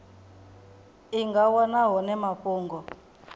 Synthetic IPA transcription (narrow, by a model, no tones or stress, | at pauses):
iŋɡawɔnaɦɔnɛmaɸuːŋɡɔ